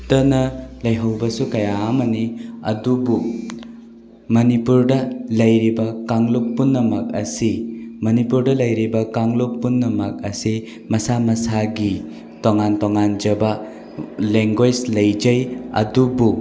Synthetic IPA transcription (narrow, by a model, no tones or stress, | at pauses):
tɐnɐlɐjɦɐwbɐsukɐjaːmɐniɐ̰dubu | mɐnipuɾdɐlɐjɾibɐkaŋlok̚punːɐmɐk̚ɐsimɐnipuɾdɐlɐjɾibɐkaŋlok̚punːɐmɐk̚ɐ̰si | mɐsamɐsaɡi | toŋantoŋand͡ʒɐbɐ | leŋɡwed͡ʒlɐjd͡ʒɐjɐ̰dubu